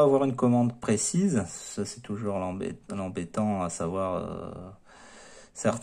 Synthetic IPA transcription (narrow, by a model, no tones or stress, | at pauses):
avwaʁynkɔmɑ̃d̪pχesizsasɛt̪uʒuʁlɑ̃bḛlɑ̃bet̪ɑ̃asavwaʁø̰ | sɛʁt̪